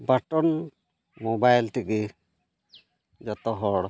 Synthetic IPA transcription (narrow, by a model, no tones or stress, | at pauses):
baʈɔn | mobajlt̪iki | d͡ʒɔt̪ɔɦɔɽ